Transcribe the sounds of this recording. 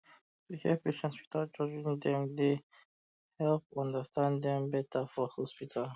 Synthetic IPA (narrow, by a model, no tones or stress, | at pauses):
wihiɛpeʃɛ̃nspi̥tad͡ʒɔd͡ʒĩndɛ̃mde | hɛlpɔ̃ndastʰãndɛ̃mbɛtafɔhɔspitʰal